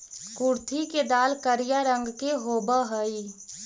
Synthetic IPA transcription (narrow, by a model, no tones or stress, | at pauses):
kuɾt̪ʰiked̪aːlkəɾijaɾəŋɡkeɦobəɦəi